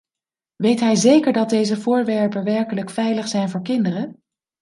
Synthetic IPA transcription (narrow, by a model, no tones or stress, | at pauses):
ʋejtɦɛjzejkəɹdɑt̚dejzəvʊːɹʋɛɹpənʋɛɹkələkfɛjləχsɛjnvʊːɹkɪndərən